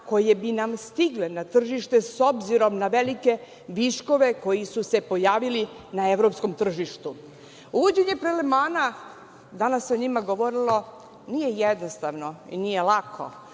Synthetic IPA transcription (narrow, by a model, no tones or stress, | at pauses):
ko̞jebinamst̪iɡlenat̪r̩ʒiʃt̪e̞so̞bziɾo̞mnaʋelike | ʋiʃko̞ʋe̞ko̞jisuse̞po̞jaːʋili | naeʋɾo̞psko̞mt̪r̩ʒiʃt̪u | uʋod͡ʑeɲe̞pɾelemaːna | d̪anasːeoɲimaɡoʋoɾilˠo̞ | nije̞jed̪nost̪aʋno̞ḭnijelakʰo̰